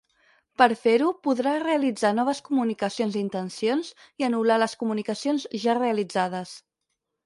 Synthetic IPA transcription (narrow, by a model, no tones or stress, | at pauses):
pəɾfeɾupuðɾareəlid͡zanɔβ̞əskumunikəsionzint̪ənsionziənulaləskumunikəsionzʒareəlid͡zaðəs